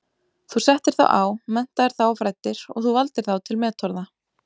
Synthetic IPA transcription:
θusɛht̪ɪɾ̥θa̰wʔa̰ːwmɛn̥t̪aɛɾ̥θawɔfɾaːjt̪ːɪɾ̥ɔ̰ɣθuvalt̪ɪɾ̥θawt̪ʰɪlmɛːt̪ʰɔɾða

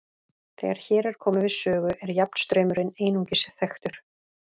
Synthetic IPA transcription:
θɛ̰ːɣaɾ̥çɛːɾɛɾ̥kʰɔːmɪvɪðsœːɣʏʔɛɾjap̚n̥st̪ɾœːɥmʏɾɪneːjnuŋcɪsɪθɛxt̪ʏɾ̥

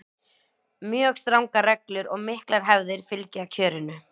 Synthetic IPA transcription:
mjœːɣst̪ɾawŋkarɛklʏɾɔɣmɪhklaɾ̥ɦɛvðɪɾ̥fɪlcɪacʰœːɾɪnʏ

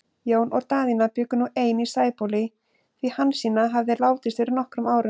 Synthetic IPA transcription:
joːwnʔɔɣt̪aːðinapʏːkʏnuʔeːjnisaːjpowlɪ | θvihanːsiːnaɦavðɪlaːwt̪ɪst̪fɪɾɪɾnɔhkɾʏmaːwɾʏ

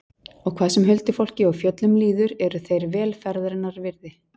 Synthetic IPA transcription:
ɔɣkʰvaːðsʏmɦʏlt̪ɪfowl̥cɪawfjœt̪lʏmliːðʏɾɛɾʏθejɾvɛːlfɛɾðɾnaɾvɪɾðɪ

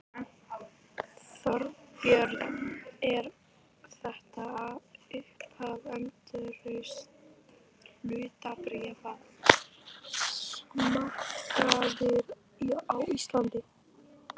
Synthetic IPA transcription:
fœɾpjœɾðɛɾ | θɛht̪aːðʏhphavɛmt̪ʏɾœɥs | lʏːt̪apɾɛːvað | mahkaðɪɾ | iawist̪lant̪ɪ

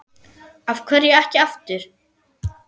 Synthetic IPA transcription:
avkʰvɛɾjɛɛhcɪaft̪ʏɾ̥

